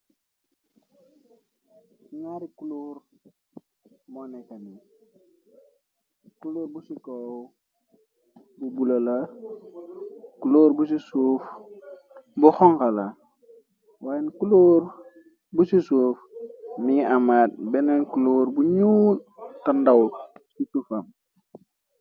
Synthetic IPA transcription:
iɲaɾikuloːɾ | mɔnɛkɐni | kuloːɾbusikow | bubulɐla | kuloːɾbusisuf | buxɔŋkala | waːjnkuloːr | busisuːfmiamaːt̚bɛnenkuloːɾbuɲuːltandawsisufɐm

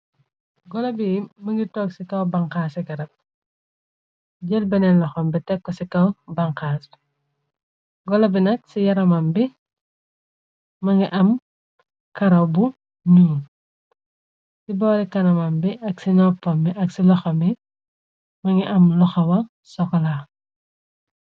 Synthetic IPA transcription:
ɡɔlɐbimɐŋɡitɔːksikɐwbɐŋkaːsiɡɐɾɐp̚ | ɟɛlbɛnɛlɔxɐmbitɛkːɔsikɐwbɐŋkaːs | ɡɔlɐbinɐk̚sijɐɾɐmɐmbi | mɐŋɡiʔɐm | kɐɾɐwbu | ɲuːn | sibɔːɾikɐnɐmambiɐksinɔpːɐmiʔɐksilɔxɐmi | mɐŋɡiʔɐmlɔxɐwɐ | sɔkɔlaː

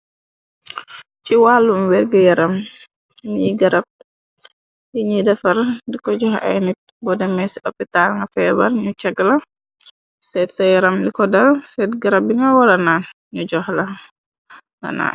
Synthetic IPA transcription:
t͡ʃiwalːumwɛɾɡəjaɾam | niɡaɾab̚ | jiɲidafaɾdikɔd͡ʒɔha̰jnit̚ | bɔdɛmɛsiʔɔpːitalŋɡafɛbaɾɲut͡ʃaɡla | sɛtsajɛɾamlikɔdalsɛtɡaɾab̚iŋɡawaɾanan | ɲud͡ʒɔhla | ŋa̰na̰ː

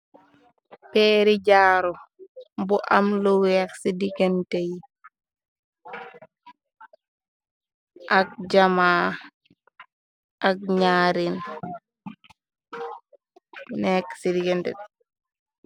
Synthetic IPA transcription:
pɛːɾiɟaːɾɔmbuʔamlɔwɛksidikɛntej | ʔak̚d͡ʒamaː | ʔak̚ɲaːɾin | nɛksidikɛntɛ̰

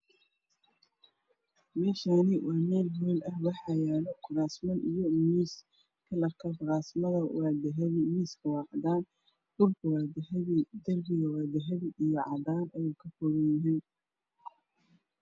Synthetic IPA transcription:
mɛːʃanɪwɑːmɛːlɦɔlɐhwɑħɑjaːlɔkʰʊɾaːsmɐnʔijɔmiːs | kʰɐlɐkʰɐkɾaːsmɐðɐwɑːd̪ɛɦɛðɪmiːskʰɐwɑːqd̪aːn | b̥ʊlkʰɐw | d̪ɐrbɪɣɐwɑd̪ɛɦɐβɪijɔʕɑ̰d̪aːnʔɛjɛkʰɐfɔɣɐnjɪɦin

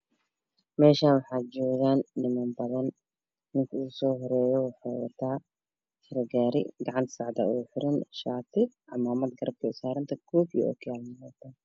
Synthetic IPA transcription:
mɛːʃaːnwɑħaːd͡ʒɔːɣaːnːɪmɐːmbɐðɐn | nɪŋkʰɐuːsɔːɦɔɾɛːjɔwɑħaːwɐ̰t̪ʰaː | sɪɾɐɡaːɾɪ̰ɡɑʕɑnt̪ʰsɑʕd̪ɐ̰ʔuːħɪɾɪnʃaːt̪ʰɪʔɑmaːmɐd̪ɡɐɾɐb̚kʰɐɪsaːɾɪnt̪ʰɐkʰɔːbjḭʔɔ̰ːkʰjalmɐmɔːt̪ʰaː

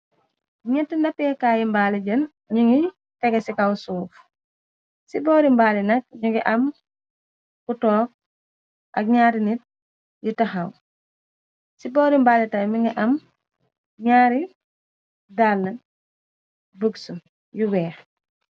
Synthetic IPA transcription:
ɲɛtːindɐpːjɛkaːjimbaːliɟən | ɲuŋɡi | tɛɡɛsikɐwsuːf | sibɔːɾimbaːlinɐk̚ɲuŋɡiʔɐm | kutɔːk̚ | ʔɐk̚ɲaːɾinit̚ | jutɐxɐw | sibɔːɾimbaːlitɐjmiŋɡiʔɐm | ɲaːɾi | daːlnɐn | bəksun | juwɛː

